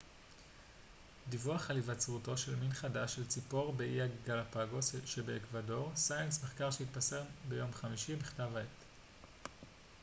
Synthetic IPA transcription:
divuaχalivat͡sʁuto̞ʃe̞lminχadaʃe̞lt͡sipo̞ʁbeʔiaɡɡalapaɡo̞sʃebeːkvado̞ʁsajensmeχkaʁʃehit̚paseʁbe̞jo̞mχamiʃibiχtavaet

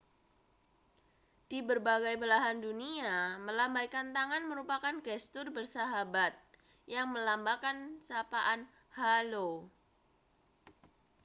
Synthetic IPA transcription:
d̥ibərbaɡajbəlaɦanduniaməlambajkant̪aŋanməɾupakanɡɛst̪ʊrbərsaɦabat̪̚ | jaŋməlambakansapaʔan | halo

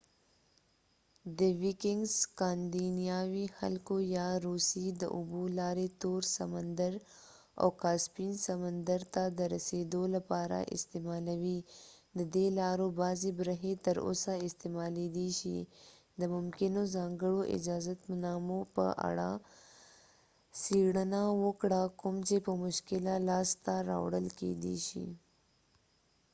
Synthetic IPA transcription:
d̪əwikɪŋɡzkɑːnd̪inijɑwixa̰lkojɑɾusid̪ə̰ʔʊbulɑɾet̪oɾsamənd̪əɾ | a̰wkɑspinsamənd̪əɾt̪ad̪əɾased̪olapɑɾa̰ʔɪ̰st̪emɑlawid̪əd̪elɑɾobɑzibɾəɦet̪əɾo̰saɪst̪emɑled̪eʃḭ | d̪əmʊmkɪnozɑŋɡəɽoʔɪ̰d͡ʒɑzat̪manɑmopə̰ʔa̰ɽa̰ | siɽənawəkɽakʊmt͡ʃepəmʊʃkɪlalɑst̪aɾɑ̰wɽə̰lkḛd̪ḛʃḭ

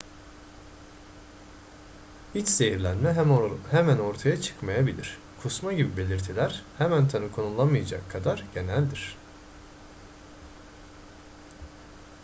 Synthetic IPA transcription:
hit͡ʃz̥e̞jiɾlʲænmɛhemæno̞ɾt̪ʰajat͡ʃʰɯ̥kmajabilʲiɾ̥ | kʰusmaɟibibe̞lʲiɾt̪ʰilʲæɾhemænt̪ʰanɯkʰo̞nulˠamɯjad͡ʒa̰kʰːad̪aɾɟ̥e̞nælʲd̪iɾ̝̥

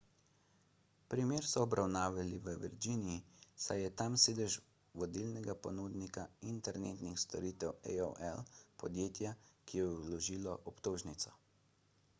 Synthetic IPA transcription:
pɾimeːɾsɔːbɾʔawnaːʋaliʋəʋḭɾd͡ʒinijisajɛt̪amseːd̪ɛʒ | ʋɔd̪ilnɛɡapɔnuːd̪nikaint̪ɛɾnḛːt̪nixst̪ɔɾiːt̪ɛwɛ̰o̰ʔɛlpɔd̪jeːt̪jakijɛwlɔʒiːlɔʔɔpt̪oːʒnit̪sɔ

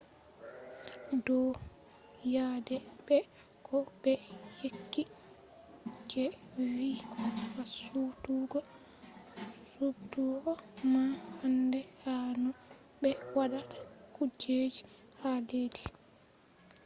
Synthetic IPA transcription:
dɔ | jadɛbɛ | kʰɔbɛhekːi | d͡ʒɛ | wikasutuːɡɔ | sutuːɡɔmahandɛhanɔ | ɓɛwaɗatḁ | kud͡ʒed͡ʒi | haleːdi

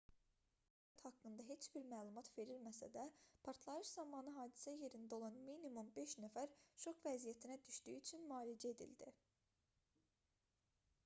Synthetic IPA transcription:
æt̪hɑkːɯnd̪ɑɦe̞t͡ʃbiɾmæːlˠumɑt̪ve̞ɾilmæsæ̰d̪æpʰɑɾt̪ʰlˠɑɾɯʃzɑmɑnɯɦɑːd̪i̥sæje̞ɾind̪æo̞lˠɑnminimumbe̞ʃnæfæɾʃo̞kvæzijæt̪ʰinæd̪yʃd̪yjːt͡ʃʰynmɑːlid͡ʒæe̞d̪ḭld̪ḭ

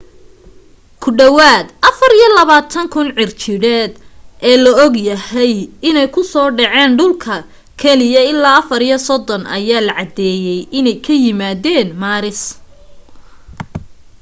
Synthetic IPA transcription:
kʰʊɖɐwaːd̪ʔɐfɐɾijɔlɐβaːt̪ʰɐŋkʰʊnʕɪrt͡ʃʰɪɽɛːd̪ʔɛːlɐɔɡjɐhɛjɪnɛjkʰʊsɔːɖɑʕɛːnɖʊlkʰɐ | kʰɛlɪjɐɪlːaːɐfɐɾijɔsɔd̪ɔnɐ̰jaːlɐʕɑd̪ɛːjɛjʔɪnɛjkʰɐjɪmaːðɛːnmaːɾɪs

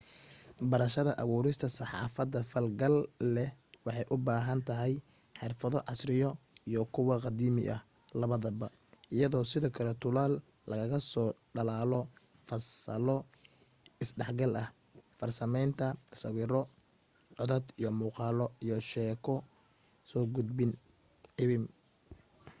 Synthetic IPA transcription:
bɐɾɐʃɐðɐʔɐβuːɾɪst̪ʰɐsɑħɑ̰ːfɐd̪ːɐfɐlɡɐlːɛwɑħɑjʔʊbaːɦɐnt̪ʰɐɦɛj | ħɪrfɐðɔʕɑsrɪjɔijɔkʰʊwɐqɑd̪iːmɪ̰ʔɐh | lɐβɐðɐbɐ | ʔɪjɐðɔːsɪðɔːkʰɐlɛt̪ʰʊlaːl | lɐɣɐɣɐsɔːɖɐlaːlɔ | fɐsɐ̰lɔ | ɪsɖɛħɡɐlʔɐh | fɐrsɐmɛjnt̪ʰɐsɐwiːɾɔ | ʕɔðɐd̪ijɔmuːqɑːlɔijɔʃɛːkʰɔ | sɔːɡʊd̪̚bɪn | ʕɪβɪm

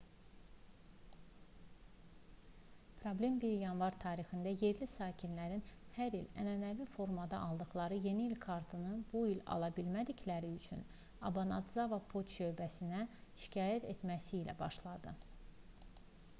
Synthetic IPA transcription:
pʰɾo̞blʲe̞mbiɾjɑnvɑɾt̪ʰɑːɾixind̪æje̞ɾlisɑːcʰinlæɾinhæɾilæ̰nænævifo̞ɾmɑd̪ɑ̰ʔɑlˠd̪ɯχlˠɑɾɯje̞niːlkʰɑɾt̪ʰɯnɯbuilɑ̰lˠɑbilmæd̪icʰlæɾiyt͡ʃʰy̰n | ɑbɑnɑd̪zɑvɑpʰot̪ʃø̞jbæsinæʃi̥cʰɑːjæt̪ʰe̞t̪mæsiːlæ̰bɑʃlˠɑd̪ɯ

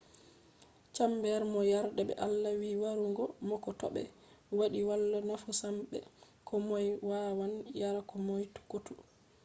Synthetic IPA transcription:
t͡ʃambɛɾmɔjaɾdɛbɛ̰ʔalːawiwaɾuŋɡɔmɔkɔtɔ̰ɓɛ̰ | waɗiwalːanafusamɓɛ̰ | kʰɔmɔjwawanjaɾakɔmɔjtu̥kutu

